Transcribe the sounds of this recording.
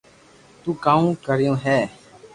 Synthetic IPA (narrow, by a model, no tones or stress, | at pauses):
t̪uːkãːũːkəɾɪjõːɦɛː